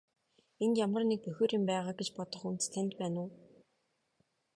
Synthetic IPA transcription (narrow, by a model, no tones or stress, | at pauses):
enjamə̆rnek̚pœxʲoːɾɪ̆mpæːʁaːɡet͡ɕpɔt̪ɞ̆χunt̪t̪ʰæn̆ʲt̪̚pæːnʊː